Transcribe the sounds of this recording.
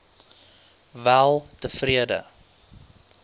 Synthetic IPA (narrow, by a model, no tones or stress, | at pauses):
vælˠtəfriədə̰